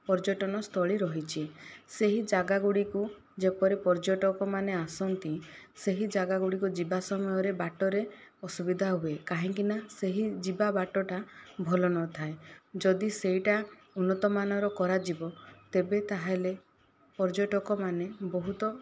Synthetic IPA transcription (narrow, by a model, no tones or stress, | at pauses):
pɔɾd͡ʒɔʈɔnɔst̪ʰɔɭiɾɔɦit͡ʃʰiseɦid͡ʒaɡaɡuɽiku | d͡ʒepɔɾepɔɾd͡ʒoʈɔkɔmaneasɔnt̪ĩseɦid͡ʒaɡaɡuɽikud͡ʒibasɔmɔjɔɾebaʈɔɾeɔsubid̪ʱaɦuekaɦiŋkinaseɦid͡ʒibabaʈɔʈabʱɔlɔnɔt̪ʰaed͡ʒɔd̪iseɦiʈa | unːɔt̪ɔmanɔɾɔkɔɾad͡ʒibɔt̪ebet̪aɦale | pɔɾd͡ʒoʈɔkɔmanebɔɦut̪ɔ